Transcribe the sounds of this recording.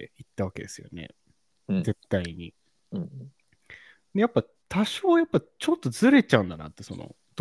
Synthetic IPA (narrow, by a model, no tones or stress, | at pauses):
it̪ːaβake̞d̪e̞sɨjo̞̰nḛ | ze̞t̪ːaiɲ̟i | d̪ejapːa | t̪ʰaɕoːjapːat͡ɕo̞t̪ːo̞zɨɾe̞t͡ɕaɯ̟̃nd̪ana̰t̪ːe̞so̞no̰ | d̪̥